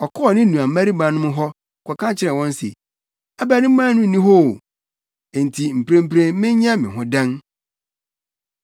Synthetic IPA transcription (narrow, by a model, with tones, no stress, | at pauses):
ɔ˨kʰɔ˦ɔ˨nɪ̃˦nũ˨a˨˦æ˦ɾi˦bã˨˦nʊ̃˦mʊ̃˦ɦɔ˦˨ | kʰʷɔ˨kʰã˦t͡ɕʰɪ˦ɾɛ̃˨wɔ̃˦n˦sḛ˨ | a˦bæ˦˨nɪ̃˦m̩˦mã˦nʊ̃˦n̩˨nĩ˦ɦo˦˨ | e˨n˨tʰi˨m̩˨pʰɾẽ˦m̩˦pɾẽ˦nmɪ̃˦ɲã˦mɪ̃˨ɦʊ̃˦dã˦n